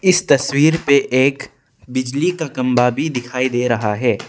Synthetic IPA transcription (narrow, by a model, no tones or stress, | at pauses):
ɪst̪ɐswiːɾpeʔeːk | bɪd͡ʒlikakɐ̃mbabʱid̪ɪkʰaːid̪eːɾɐɦaɦɛː